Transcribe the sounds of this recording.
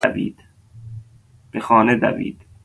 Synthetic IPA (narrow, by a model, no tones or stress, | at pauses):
vḭːd̪̥ | b̥exɒːned̪æ̰vḭːd̪̥